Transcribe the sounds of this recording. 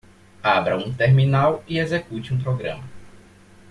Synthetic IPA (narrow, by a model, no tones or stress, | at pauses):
abɾɐũt̪eɾminawiezekut͡ʃɪũpɾoɡɾɐ̰̃mɐ